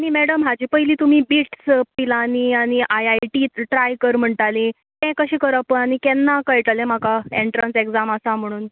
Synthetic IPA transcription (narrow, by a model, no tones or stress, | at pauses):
aɽ̃imɛɽəmɦad͡ʑiːpəjliːt̪umiːbiʈspilaniːaɽ̃iʔajajʈiʈɾajkəɾm̤əɳʈalĩ | t̪ɛ̃kəɕĩːkəɾəpəɳañikɛnːakəjʈalẽm̤akaeɳʈɾansekd͡zaməsam̤əɽ̃uːn